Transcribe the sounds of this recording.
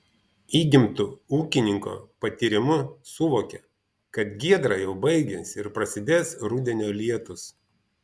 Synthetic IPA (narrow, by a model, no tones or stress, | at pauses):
iːɡʲɪmt̪ʊuːkʲɪnʲɪŋko̰pɐt̪ʲiɾʲɪmʊsʊʋoːkʲɛ | kɐt̪ɡʲiɛd̪ɾɑjɛʊbɐɪɡʲɛsʲɪɾpɾɐsʲɪd̪ʲeːsɾʊd̪ʲɛnʲoːlʲiɛt̪ʊs